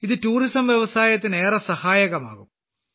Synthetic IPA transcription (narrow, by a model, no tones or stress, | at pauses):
iðɨtuːrisɐmʋjeʋɐsaːjɐt̪ːine̞ːrɐsɐhaːjɐɣɐma̰ːɣum